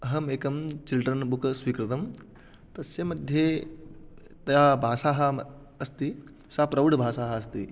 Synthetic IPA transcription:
ɐɦɐmeːkɐmt͡ʃilɖɾɐnbukɐsʋiːkɾɪt̪ɐm | t̪ɐsjɐmɐd̪ʱje | t̪ɐjaːbʱaːsaːɦɐ̆ | ɐst̪i | sapɾɐʋɐɽbʱaːsaːɦɐɐs̬t̪i

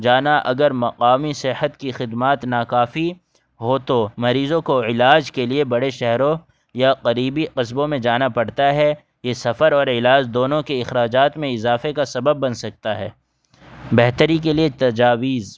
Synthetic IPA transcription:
d͡ʒaːnaʔɐɡəɾmɐqaːmisɪhət̪kixɪd̪maːt̪naːkaːfi | ɦoːt̪omɐɾiːzõkoɪlaːd͡ʒkeliebɐɽeʃɛɦɾõ | jaqɐɾiːbiqɪs̬bõmẽd͡ʒaːnapɐɽt̪aɦɛ | jesɐfəɾɔːɾɪlaːd͡ʒd̪oːnõkeɪxɾaːd͡ʒaːt̪mẽɪzaːfekasɐbəbːɐnsɐk̚t̪aɦɛː | bɛɦt̪əɾikeliet̪ɐd͡ʒaːʋiːz

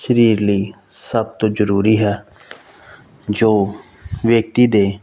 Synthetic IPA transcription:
ʃəɾiːɾliː | səb̚t̪oːd͡ʒəɾuːɾiːɦɛː | d͡ʒoː | ʋjək̚t̪iːd̪eː

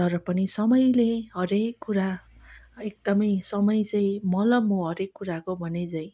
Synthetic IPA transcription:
t̪ʌɾʌpʌnisʌmʌjleɦʌɾekːuɾa | ek̚d̪ʌmʌjsʌmʌjt͡sʌj̃mʌlʌmoɦʌɾekːuɾakobʱʌnet͡sʌĩ

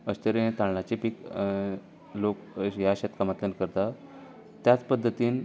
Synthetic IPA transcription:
əɕt̪əɾẽt̪ãɳɭat͡ɕipik | lokjaɕət̪kamat̪lənkəɾt̪a | t̪jat͡spəd̪ʱːət̪iːn

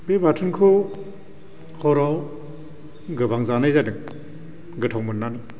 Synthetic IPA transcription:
bebatʰɯnkʰu | kʰɔɾaw | ɡɯbaŋzanajzadɯŋ | ɡɯtʰawmɯnːani

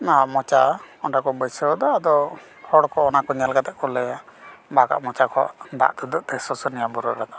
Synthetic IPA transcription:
namɔt͡ʃaɔnɖakɔbəsəwd̪ɔːd̪ɔ | hɔɽkɔːnakɔɲalkat̪ɛʔkɔlɛjabaka̰ʔmɔt͡ʃakʰɔ̰ʔd̪a̰ʔd̪ud̪ɔʔt̪ɛsɔsɔnijabuɾɔɾad̪ɔ

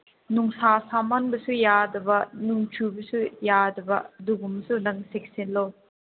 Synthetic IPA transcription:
nuŋsasamanbɐsujadɐbɐnuŋt͡ʃʰubɐsujadɐbɐ̰duɡumsunɐŋsek̚senlo

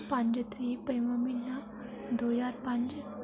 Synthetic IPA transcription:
pãɲd͡ʑət̪ɾipəjməminːa | d̪ojaɾpãɲd͡ʑ

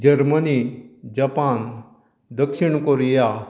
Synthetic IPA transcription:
d͡ʒɐɾmənid͡ʒapan | d̪əkʃiɳkoɾija

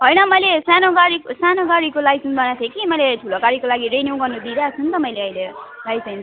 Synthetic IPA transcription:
ɦʌjnʌmʌjlesanoɡaɾiksanoɡaɾikolaisunb̪ʌnat̪ʰekimʌjlet̪ʰulokaɾikolaɡiɾeniw̃ɡʌrnud̪iɾat͡sʰunt̪ʌmʌjleʌilelajsʌjn

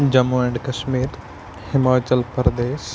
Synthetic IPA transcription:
d͡ʑɐmuɛ̃ɳɖkɐʃmiːɾ | hɪmaːt͡ɕəlpɐɾd̪eːs

